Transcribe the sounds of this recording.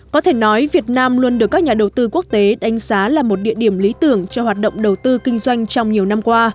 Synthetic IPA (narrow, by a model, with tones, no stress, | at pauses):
kɔ˨˦t̪ʰe˧˩nɔ˨˦jvi˨˩ət̚naː˧mlu˧ənɗɨ˨˩əkːk̚ɲaː˨˩ɗə˨˩wt̪ɨ˧ku˦˥ək̚t̪e˨˦ɗa˨˦jŋ̟zaː˨˦laː˨˩mo˨˩t̚ɗḭ˧˨əɗi˧˩əmli˨˦t̪ɨ˧˩əŋt͡ɕɔ˧hwaː˨˩t̚ɗə̰˧˨wŋ͡mɗə˨˩wt̪ɨ˧kï˧ŋ̟zwa˧jŋ̟t͡ɕɔ˧wŋ͡mɲi˨˩əwna˧mkwaː˧